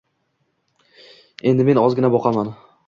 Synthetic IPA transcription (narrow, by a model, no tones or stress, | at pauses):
e̞nd̪ɪme̞nɒzɡʲɪnabɒqʰɑman